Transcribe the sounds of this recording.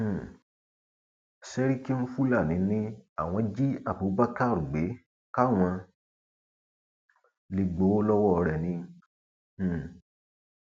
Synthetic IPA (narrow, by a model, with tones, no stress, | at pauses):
sɛ˦ɾi˦ki˦n̩˦fu˦la˦˨nĩ˨˦nĩ˦a˦˨w̃ɔ̃˧d͡ʒi˦a˦˨bu˨˦ba˦ka˦˨ɾu˨ɡ͡be˨˦ | ka˦w̃ã˧ | li˨ɡ͡bo˨˦lɔ˦wɔ˦˧ɾɛ˨nĩ˧˨